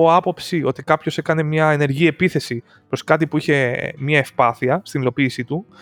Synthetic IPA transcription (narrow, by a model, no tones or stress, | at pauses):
oɐpo̞psiʔo̞t̪ikɐpço̞se̞kɐne̞mɲɐene̞ɾʝie̞piθe̞si | pɾo̞skɐt̪ipuiçe̞mɲɐefpɐθiɐst̪inilo̞piːsit̪u